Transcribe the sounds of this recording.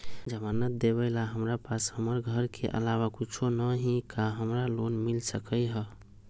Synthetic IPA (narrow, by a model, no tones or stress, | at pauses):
d͡ʒəmanət̪̚d̪eβəɪlaɦəmɾapashəməɾɡʱəɾkʰeʔə̰lawakit͡ʃʰonəɦĩkaɦəmɾalonmilsəkəjɦə